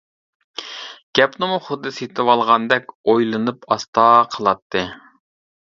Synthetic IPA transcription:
ɡ̥ʲɛpnɨmuχʊd̪ːɨset̪ʰɪwɑlˠʁɑnd̪ɛkʲojlˠɨnɨpɑst̪ɑːqʰəlˠɑt̪ʰːɨ

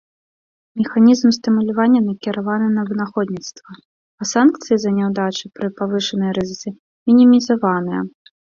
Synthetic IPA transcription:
mʲɛxanʲizmst̪ɨmulʲavanʲːɐnɐkʲiɾavanɨnɐvɨnaxɔd̪ʲnʲit̪st̪vɐ | ɐsankt̪sɨjizɐnʲɛwd̪at͡ʂɨpɾɨpavɨʂɨnɨjɐɾɨzɨsɨ | mʲinʲimʲizavanɨjɐ̰

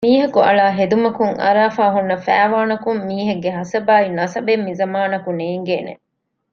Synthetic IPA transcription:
miːɦɐkuɐ̰ɭaːɦed̪umɐkuŋɐ̰ɾaːfaːɦunːɐfæːʋaːnɐkumːiːɦeɡːeɦɐsɐbaːinɐsɐbemːizɐmaːnɐkuneːŋɡeːnḛ

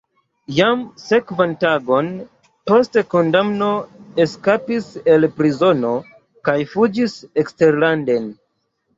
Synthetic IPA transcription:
jamse̞kvantaɡo̞n | po̞steko̞ndamno̞eskapise̞lpɾizo̞no̞ | kajfud͡ʒisekste̞ɾlande̞n

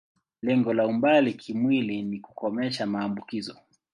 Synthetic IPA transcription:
lɛŋɡɔlaumbalikʰimwiliniku̥kɔmɛʃamaːmbukizɔ

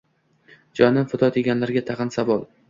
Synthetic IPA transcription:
d͡ʒɒnɪfʊt̪ʰɒt̪ʰeɡʲanlaɾɡʲat̪ʰɑqɨnsavɒlˠ

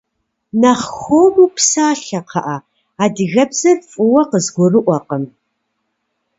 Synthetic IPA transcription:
nɐχxʷomupsaːɬɐqʰɑʔa | aːdɨɣɐbz̥ɨrfʼʊwɐqəzɡʷʊrɨʔʷɔqəm

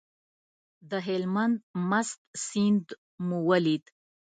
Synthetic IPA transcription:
d̪əɦɪlmand̪̚mast̪sind̪ | muwalid̪

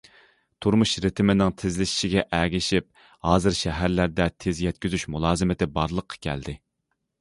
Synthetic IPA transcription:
t̪ʰuɾmuʃɾɪt̪ʰɪmɪnɪŋt̪ʰɪzlɪʃi̥ʃɪɡʲɛʔɛɡʲɪʃip̚ | hɑːzɨɾʃɛɦæɾlæɾd̪ɛt̪ʰezjɛt̪ʲkʲyzyʃmulˠɑːzɨmɪt̪ɪbɑɾlˠəqʰːɑ̥kʲʰɛ̰ld̪ɪ

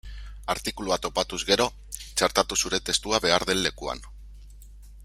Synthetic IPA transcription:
aɾt̪ikuluat̪o̞pat̪uzɣe̞ɾo̞ | t͡ʃaɾt̪at̪usuɾe̞t̪e̞st̪uaβe̞aɾðenlːe̞kua̰n

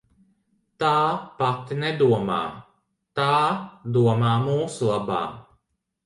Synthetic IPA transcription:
t̪aːpat̪ined̪uɔma̰ː | t̪aːd̪uɔmaːmuːsulˠaba̰ː

